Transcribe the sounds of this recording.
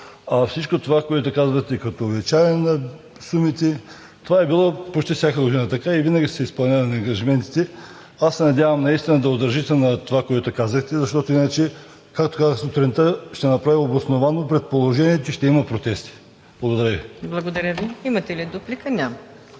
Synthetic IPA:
ɐfsit͡ʃkot̪ovakoɛt̪ʊkazvət̪ɛkɐt̪oːbit͡ʃajɛnɐ | sumit̪ɛ | t̪ovaɛbilˠɔpot͡ʃt̪ifsʲakəlˠod̪inət̪ɐkaivinəɡʲisɛispɐlˠnʲaɾnɐŋɡɐʒimɛnt̪i̥t̪ɛ | asːɛnɐd̪ʲjavɐmnɐist̪inəd̪ɐod̪ɐɾʒit̪ɛnɐt̪ovakoɛt̪okazəxt̪ɛzɐʃt̪ɔt̪oinət͡ʃɛ | kakt̪o̥kazəxsot̪ɾɛnt̪əʃt̪ɛnɐpɾaviobosnovanopɾɛt̪̚polˠoʒɛniɛt̪t͡ʃɛʃt̪ɛimɐpɾot̪ɛst̪i̥ | b̥lˠɐɡod̪ɐɾəviblˠɐɡod̪ɐɾʲəviimɐt̪ɛlid̪oplikənʲam

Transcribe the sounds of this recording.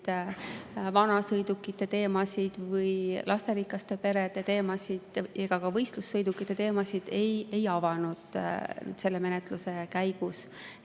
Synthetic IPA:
d̪̥ | vɑnɑsɤjd̪̥ukːˑit̪ːˑe̞t̪e̞ːmɑsid̪̥vɯjlʔɑst̪e̞ɾikˑːɑst̪e̞pe̞ɾed̪e̞t̪e̞ːmɑsid̪̥eɡ̥ɑkɑvɤjst̪lusːɤjd̪ukːˑit̪ːˑe̞t̪e̞ːmɑsid̪̥e̞je̞jɑvɑnud̪̥ny̰ːd̪̥se̞lːe̞me̞net̪ˑluse̞kæjɡ̥us

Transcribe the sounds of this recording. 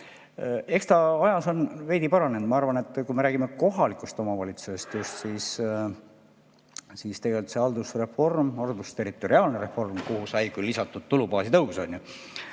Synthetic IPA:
e̞kst̪ɑɑjɑso̞nve̞jd̪ipɑɾɑne̞nd̪̥mɑɑrvɑne̞t̪ːˑkujme̞ɾæːɡ̥ime̞ko̞ɦɑlikːˑust̪o̞mɑvɑlʲit̪suse̞st̪just̪siːs | siːst̪e̞ɡelyt̪se̞ɑld̪usre̞fo̞rmɑld̪ust̪e̞ɾit̪ːˑo̞ɾiɑːlneɾe̞fo̞rmkuhusɑjkylːisɑt̪ːˑud̪̥̚t̪ːulupɑːsit̪ɤwso̞̰nʲju

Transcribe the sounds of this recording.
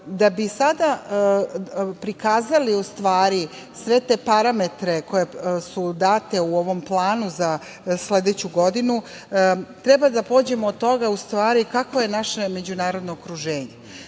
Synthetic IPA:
d̪abisad̪a | pɾikaːzaliust̪ʋaːɾi | sʋe̞t̪e̞ːpaɾame̞t̪ɾe̞ko̞je̞sud̪aːt̪e̞uo̞ʋo̞mplˠaːnuza | sle̞d̪et͡ɕuɡo̞d̪inu | t̪ɾe̞bad̪apo̞ːd͡ʑe̞moːd̪̚t̪ːo̞ɡaust̪ʋaːɾikakʋoje̞naʃeme̞d͡ʑunaːɾo̞d̪no̞ːkɾuʒeːɲe

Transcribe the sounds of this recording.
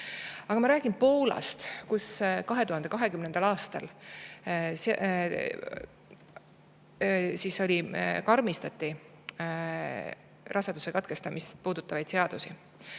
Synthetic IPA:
ɑɡɑmɑɾæːɡ̥inpo̞ːlɑ̰st̪kuskɑɦe̞t̪uhɑnd̪e̞kɑɦe̞kymnend̪̥ɑlɑːst̪ɑl | s | siso̞lʲikɑrmist̪ɑt̪ːˑi | rʔɑsɑd̪̥usekɑt̪ke̞st̪ɑmist̪puːd̪̥ut̪ːˑɑvɑjd̪se̞ɑd̪̥usi

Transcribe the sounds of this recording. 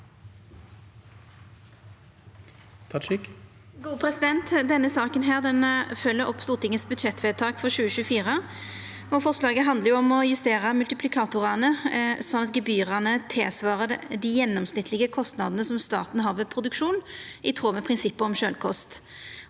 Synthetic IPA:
t̪ʰɪk | ɡuːpʰɾɛsɪd̪ɛnt̪d̪ɛnːəsɑːkənɦæːʁd̪ɛnfœlːəɾʔɔpst̪uːʁt̪ɪŋəsbʉd̪ʃɛt̪ʰːʋɛːt̪ʰɑːkfɔʁɕʉːəʃʉːfiːʁə | ɔfɔʁslɑːɡəɦɑnd̪ləʁjʊɔmɔjʉst̪eːʁəmʉlt̪ɪpʰlɪkʰɑːt̪ʊʁɑnəsɔnɑt̪̚ɡəbyːʁænət̪ʰɪlsʋɑːʁəd̪ɪjɛnːɔmsnɪt̪ʰlɪɡəkʰɔst̪nɑd̪ənəsɔmst̪ɑ̰ːʁt̪n̩ɦɑːʁʋɛpʰʁʊd̪ʉkʃuːnɪt̪ʰʁoːmɛpʰʁɪnsɪpːəɔmʃøːlkʰɔst̪

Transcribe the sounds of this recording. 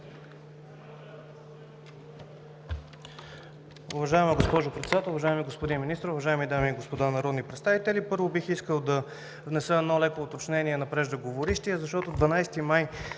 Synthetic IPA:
ʊvɐʒaɛməɡospɔʒʊpɾɛt̪sɛd̪at̪ɛlˠʊvɐʒaɛmiɡospod̪inminist̪ɾoʊvɐʒaɛmid̪amiːɡospod̪anɐɾɔd̪nipɾɛt̪st̪avit̪ɛlipɤɾvobixiskəlˠd̪ɐ | vnɛsəɛd̪nɔlɛkoːt̪ot͡ʃnɛniɛnɐpɾɛʒd̪əɡovoɾiʃt̪iɛzɐʃt̪ɔt̪od̪vɐnajst̪imaj

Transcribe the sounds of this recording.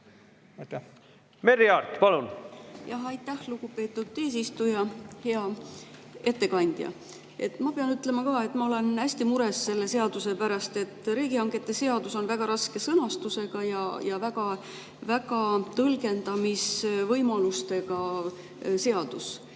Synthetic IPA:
meɾiɑrt̪pɑlunjɑɦɑjt̪ːæhluɡ̥upe̞ːt̪ˑːud̪̥e̞ːs̬ist̪ujɑhe̞ɑ | e̞t̪ːe̞kɑnʲd̪̥jɑ̰ | e̞̰t̪ːˑmɑpeɑnyt̪ːˑle̞mɑkɑːe̞t̪ːˑmɑo̞le̞næsʲt̪imuɾe̞sːe̞lːe̞se̞ɑd̪̥use̞pæɾɑst̪e̞t̪ːˑɾiːɡiɑŋɡ̥e̞t̪ːˑe̞se̞ɑd̪uso̞nvæɡ̥ɑɾɑske̞sɤnɑst̪use̞ɡ̥ɑjɑjɑvæɡɑ | væɡ̥ɑt̪ɤlɡe̞nd̪̥ɑmisvɤjmɑlust̪e̞ɡɑ | se̞ɑd̪̥us

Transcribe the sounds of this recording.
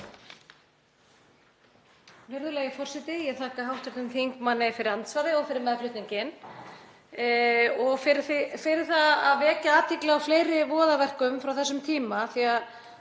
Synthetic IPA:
vɛɾðʏlɛːɣɪfɔr̥sɛt̪ɪjɛθaːkaɦawht̪ɛɾ̥t̪ʏmθiŋkmanːɪfɪɾɪɾant̪svaɾðɪɔɣfɪɾɪɾmɛðlʏht̪niɲcɪn | ɔɣfɪɾθɪfɪɾɪ̥θaðaðvɛːcaaːt̪ʰɪklɪafleːjɾɪvɔːðavɛr̥kʏmfɾawθɛsːʏmt̪ʰiːmaθia

